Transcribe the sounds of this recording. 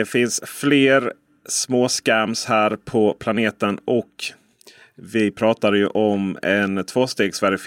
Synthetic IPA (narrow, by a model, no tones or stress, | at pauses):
ɛfɪnsfleːɾ | smoːskæmshæːɾpʰɔpʰlaneːt̪ənʔɔk | vɪpʰɾɑːt̪aɾjɵʔɔmɛnt̪ʰvoːst̪eːɡsvæɾɪf